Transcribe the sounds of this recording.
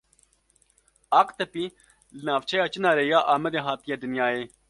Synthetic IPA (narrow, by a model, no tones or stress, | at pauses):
ɑːqt̪ɐpiː | lɨnaːʋt͡ʃʰɛjaːt͡ʃɨnaːɾeːjaːʔaːmɛd̪eːɦaːt̪ijeːd̪ɨnjaːeː